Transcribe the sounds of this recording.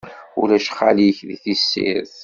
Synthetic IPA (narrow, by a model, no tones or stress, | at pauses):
ṵlæʃχːaliçðiθisːḭɾθ